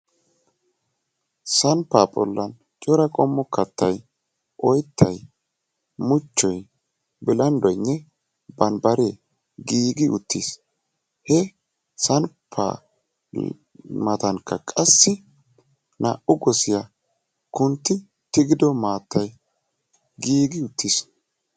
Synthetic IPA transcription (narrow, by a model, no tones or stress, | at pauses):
sɐnpːaːpʼɔ̰lːɐn | t͡ʃʼɔɾɐkʼɔmːɔkɐt̪ːɐj | ʔɔjt̪ːɐj | mʊt͡ʃːɔj | bɪlɐnd̪ɔjnːɛ | bɐnbɐɾeː | ɡiːɡɪʊ̰t̪ːiːs | hɛ | sɐnpʰːa̰ | mɐt̪ɐŋkːɐkʼɐsːɪ | na̰ʔʊɡɔsɪja | kʊnt̪ːɪ | t̪ɪɡɪd̪ɔmaːt̪ːɐj | ɡiːɡɪʊt̪ʰːiːs